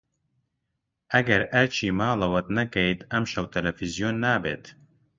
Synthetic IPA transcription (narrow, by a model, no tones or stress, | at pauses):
ʔɐɡɐɾɐt͡ʃʰiːmaːlˠɐwɐt̪nɐkɛjt̪ɐmʃɐwt̪ɐlɛfizijoːnːaːbḛːt̪